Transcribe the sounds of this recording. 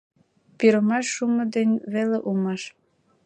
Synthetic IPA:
piɾə̆mɑʃːumɤ̆d̪ĕnʲβeleʔumɑʃ

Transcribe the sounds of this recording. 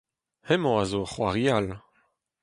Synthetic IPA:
hɛmoazoχwaʁial

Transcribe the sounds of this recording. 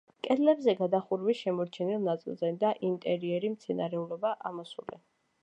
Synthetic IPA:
kʼɛd̪lɛbzɛɡad̪aχuɾwiʃɛmɔɾt͡ʃʰɛnilˠnat̪sʼḭlˠzɛd̪aʔint̪ʼɛɾiɛɾimt̪sʰɛnaɾɛulɔbaʔamɔsṵlɛ̰

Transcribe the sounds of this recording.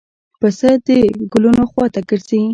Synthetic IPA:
pəsəd̪əɡʊlunoxwɑt̪aɡəɾsei

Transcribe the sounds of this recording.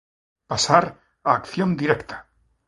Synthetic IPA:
pasaɾ | aːkθjond̪iɾekt̪ʰḁ

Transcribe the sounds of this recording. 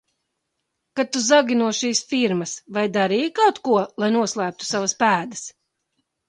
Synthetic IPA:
kat̪ːuzaɡʲinuɔʃiːsfiɾmɐsvajd̪aɾiːjkawt̪kuɔlˠajnuɔslˠæːp̚t̪u̥savaspæːd̪ɐs

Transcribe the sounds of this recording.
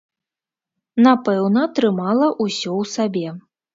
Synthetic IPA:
napɛwnɐt̪ɾɨmalˠɐʔusʲɔwsabʲɛ

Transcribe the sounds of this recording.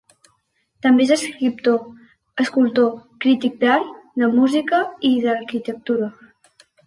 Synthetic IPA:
t̪əmbezəskɾip̚t̪o | əskulˠt̪okɾit̪ik̚d̪aɾðəmuzikəiðəɾkit̪ək̚t̪uɾə

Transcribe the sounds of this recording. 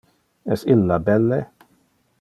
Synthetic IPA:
ɛsɪlːabɛlːe

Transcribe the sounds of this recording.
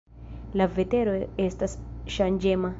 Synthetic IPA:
lavet̪eɾoestasʃand͡ʒema

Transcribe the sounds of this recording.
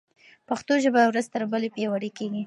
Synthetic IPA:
paxt̪oʒəbawɾazt̪əɾbəlepjewaɽekeɡi

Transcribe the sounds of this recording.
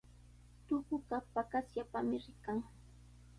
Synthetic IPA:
t̪ʊɢʊkapakasjapamɪɾɪkaŋ

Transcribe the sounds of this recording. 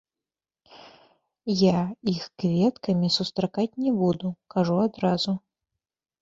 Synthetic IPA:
jaixkvʲɛt̪kɐmʲisust̪ɾakat͡sʲnʲɛbud̪ukaʐuad̪ɾazu

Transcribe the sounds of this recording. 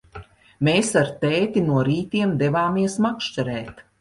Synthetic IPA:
meːsaɾt̪eːt̪inuɔɾiːt̪iɛmd̪evaːmiɛsmakʃt͡ʃaɾɛːt̪

